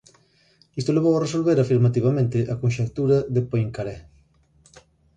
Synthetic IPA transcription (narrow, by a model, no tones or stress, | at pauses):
ist̪oleβowaresolβeɾafiɾmat̪iβ̞amẽnt̪ɪʔakonʃek̚t̪uɾɐðepojŋkaɾɛ